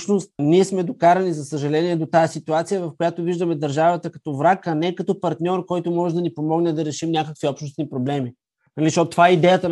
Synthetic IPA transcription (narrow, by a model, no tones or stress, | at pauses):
ʃnost̪̚niɛsmɛd̪okaɾɐnizɐsəʒɐlɛniɛd̪ot̪ajəsit̪uat̪sijəvɐfkojat̪oviʒd̪əmɛd̪ɐɾʒavət̪əkɐ̥t̪ɔvɾakɐnɛkɐt̪ɔpɐɾt̪nʲɔɾkɔjt̪omɔʒɛd̪ɐnipomɔɡnɛd̪ɐɾɛʃimnʲakəkviɔpʃtnosnipɾoblɛmi | nɐliʃɔt̪t̪ːovaɛid̪ɛjət̪ə